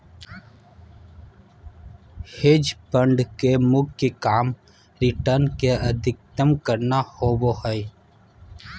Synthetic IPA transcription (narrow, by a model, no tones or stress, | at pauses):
hed͡ʒpə̃ɳɖkemʊɡkekaːm | ɾɪʈəɾnkeəd̪ʱɪk̚t̪əmkəɾnahoːbohəj